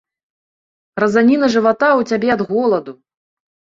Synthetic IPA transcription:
rɐzanʲinɐʐɨvat̪awt͡sʲabʲɛɐd̪ɣɔlˠɐd̪u

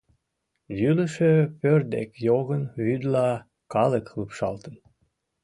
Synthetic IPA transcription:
jyləʃøpørd̪ḛkjoɣənβyd̪lɑ | kɑləkləpʃɑlt̪ən

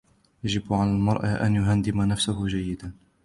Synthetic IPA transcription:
jad͡ʒɪbʕalalmɑɾˤʔaʔa̰njʊɦand̪ɪmanafsahʊd͡ʒajːɪd̪an

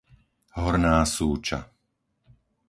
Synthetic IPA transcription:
ɦɔɾnaːsuːt͡ʃa̰

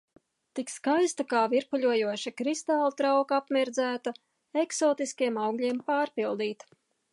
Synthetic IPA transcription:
t̪ikskajst̪akaːviɾpuʎʲuɔjuɔʃakɾist̪aːlˠut̪ɾawkaapmiɾd̪zæːt̪a | eksɔːt̪iskiɛmawɡlʲiɛmpaːɾpilˠd̪iːt̪

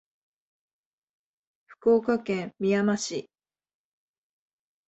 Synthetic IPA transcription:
ɸɯ̟̥ko̞ːkakẽmmːʲijamaɕi

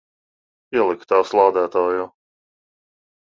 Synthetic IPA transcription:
iɛlˠikt̪aːwslˠɑːd̪æːt̪ɔːju

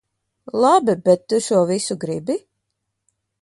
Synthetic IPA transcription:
lˠabibɛt̪ːuʃuɔvisuɡɾibi

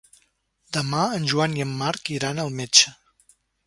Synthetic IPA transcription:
d̪əmaənʲʒuaniəmːaɾkiɾanəlˠmet͡ʃə

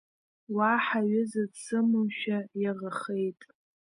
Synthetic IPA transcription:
waħaɥɪzɨdsɨmʊmʃᶣajaʁəχejtʼ

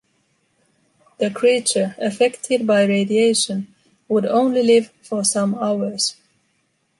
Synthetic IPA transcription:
ðɨkʰɹ̥it͡ʃə˞ɨfɛktʰɪd̚baɪɹeɪdieɪʃə̃n | wʊdõʊ̃nlilɪv̥fə˞sʌ̃maʊə˞z̥

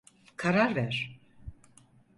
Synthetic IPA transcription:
kʰaɾaɾvæɾ̥

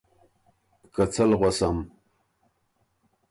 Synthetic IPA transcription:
kat͡sʰalʁʷasam

